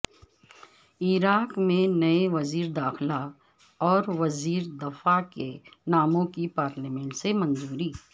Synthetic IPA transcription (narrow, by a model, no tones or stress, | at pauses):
iːɾaːkmẽnɐeʋɐziːɾd̪aːxla | ɔːɾʋɐziːɾd̪ɐfakenaːmõkipaːɾlemɛ̃ɳʈsemɐ̃nzuːɾiː